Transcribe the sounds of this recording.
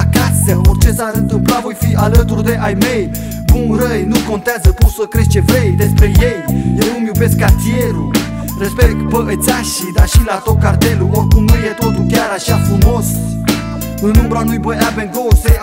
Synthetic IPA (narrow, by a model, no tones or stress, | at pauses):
akasəort͡ʃe̞saɨnt̪ɨmplavo̞jfiʔalət̪urd̪e̞ʔajme̞j | bunɾəjnuko̞nt̪eazəkusəkɾeʃt͡ʃe̞vejd̪e̞spɾe̞jejjewnumjube̞skkːart̪ijeɾu | respek̪pəʔət̪sʲaʃid̪aʃilat̪ot̪̚kart̪e̞luorkumnujet̪o̞t̪ulkʲaɾaʃafɾumo̞s | ɨnːumbɾoanujbəjavenɡose